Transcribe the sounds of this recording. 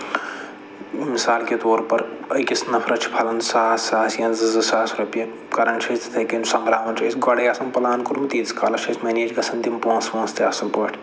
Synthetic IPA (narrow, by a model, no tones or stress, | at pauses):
misaːlket̪oːɾpɐɾɐjkisnɐpʰɾɐt͡ʃʰpʰɐlɐnsaːsaːsjɐ̃nzɨzɨsaːsɾɐpjɐ | kɐɾɐɳt͡ʃʰɐt͡sʰt̪ʰɐkinsɐmbɾaːʋɐnt͡ʃɐsɡɐɽɐjasɐmpɐlaːnkuɾmt̪iːskalɐt͡ʃʰɐsʰmɐneːd͡ʒɡɐsʰɐnt̪impõːnspõːnst̪aːsɐnpɐʈʰ